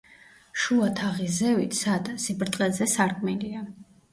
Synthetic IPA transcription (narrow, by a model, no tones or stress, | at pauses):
ʃuat̪ʰaʁizɛvit̪ʰsad̪asibɾt̪ʼqʼɛzɛsaɾkʼmɛlia